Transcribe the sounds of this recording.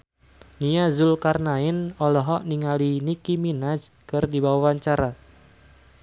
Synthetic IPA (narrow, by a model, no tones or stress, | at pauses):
niazʊlkarnaɪnɔlɔɦɔʔniŋalinikiminad͡ʒkɨrdibawawaɲt͡ʃaɾa